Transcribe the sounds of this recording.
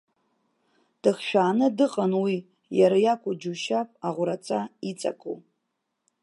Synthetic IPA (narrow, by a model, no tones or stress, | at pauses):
d̥ɨχʃᶣaːnɨdɨqʼanwi | jaɾajakʷʰʼʊd͡ʒuʃapʼaʁʷʊɾat͡sʼait͡sʼa̰kʼṵ